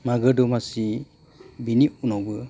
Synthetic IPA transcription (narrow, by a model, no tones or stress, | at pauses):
maɡɯdɔmasi | biniunɔwbɯ